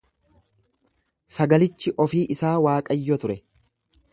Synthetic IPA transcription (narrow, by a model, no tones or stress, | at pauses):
sɐɡɐlɪt͡ʃːɪʔɔfiːʔɪsaːwaːkʼɐjːɔt̪ʊɾɛ